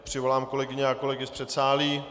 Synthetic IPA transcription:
pr̝̥ɪvo̞laːmko̞lɛɡɪɲɛako̞lɛɡɪspr̝̥ɛt̪saːliː

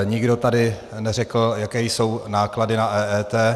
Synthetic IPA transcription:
ɲɪɡdo̞t̪adɪ | nɛrɛkl̩jakɛːjso̞wnaːkladɪnaʔɛːɛːt̪ɛː

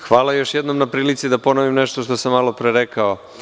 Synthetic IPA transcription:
xʋaːlˠajo̞ʃjed̪nomnapɾiːlit̪sid̪apo̞noʋimneʃt̪oʃt̪osamːalˠo̞pɾeɾekao

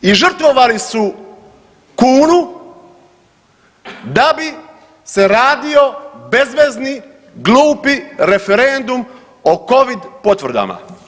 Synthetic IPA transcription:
iʒr̩t̪ʋo̞ʋalisu | kuːnu | d̪abi | se̞ɾaːd̪io̞be̞zʋe̞zni | ɡluːpiɾe̞fe̞ɾend̪um | oko̞ʋid̪po̞t̪ʋr̩d̪a̰ma̰

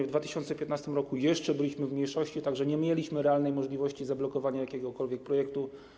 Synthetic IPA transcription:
vd̪vat̪ɘ̥ɕɔnt̪sɛpʲjɛt̪nast̪ɘmɾɔkujɛʂt͡ʂɛbɘlʲiɕmɘvmʲɲejʂɔɕt͡ɕit̪aɡʐɛɲɛmʲjɛlʲiɕmɘɾɛalnɛjmɔʐlʲivɔɕt͡ɕizablɔkɔvaɲajakʲɛɡɔkɔlvʲjɛk̚pɾɔjɛkt̪u

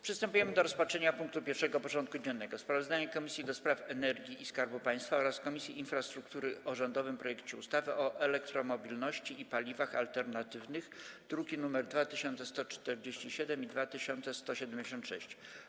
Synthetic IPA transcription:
pʂɨst̪ɛmpujɛmɘd̪ɔɾɔspatʂɛɲapuŋk̚t̪upʲjɛɾʂɛɡɔpɔʐɔnt̪̚kud͡ʑɛnːɛɡɔspɾavɔzd̪aɲakɔmʲisʲjid̪ɔspɾafɛnɛɾɡʲiiskaɾbupaj̃st̪faɔɾaskɔmʲisʲjiinfɾast̪ɾuk̚t̪uɾɘɔʐɔnd̪ɔvɘmpɾɔjɛkt͡ɕɛust̪avɘʔɔʔɛlɛk̚t̪ɾɔmɔbʲilnɔɕt͡ɕiipalʲivaxa̰lt̪ɛɾnat̪ɘvnɘxd̪̥ɾukʲinumɛɾd̪vat̪ɘɕɔnt̪sɛst̪ɔt͡ʂt̪ɛɾd͡ʑeɕt͡ɕiɕɛd̪ɛmid̪vat̪ɘɕɔnt̪sɛst̪ɔɕɛd̪ɛmd͡ʑeɕ̬ɔnt̪ʂɛ̰ɕt͡ɕ

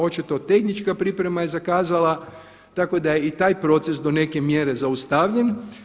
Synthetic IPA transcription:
o̞t͡ʃit̪o̞t̪e̞xnit͡ʃkapɾipɾe̞maje̞zakaːzala | t̪ako̞d̪aje̞it̪aːjpɾo̞t̪se̞sd̪o̞ne̞ke̞mje̞ɾe̞zaust̪aʋʎe̞n

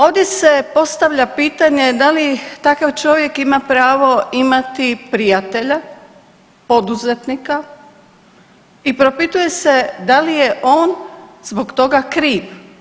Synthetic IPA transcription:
o̞ːʋd̪je̞se̞po̞st̪aʋʎapiːt̪aɲe̞d̪alit̪akaʋt͡ʃo̞ʋje̞kimapɾaːʋo̞imat̪ipɾijat̪eʎa | po̞d̪uzet̪nika | ipɾopit̪uje̞se̞d̪alijeʔo̞ːnzboɡt̪o̞ɡakɾiːʋ

